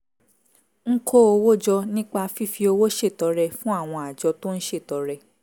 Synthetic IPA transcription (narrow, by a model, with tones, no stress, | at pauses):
ŋ̩˦kʰo˦o˧wo˦d͡ʒɔ˧nĩ˦k͡pa˧fi˦fi˧o˧wo˦ʃe˦˨tɔ˨˦ɾɛ˧fũ˦a˦˨w̃ɔ̃˧a˨d͡ʒɔ˧to˦ñ̩˦ʃe˦˨tɔ˨˦ɾɛ˧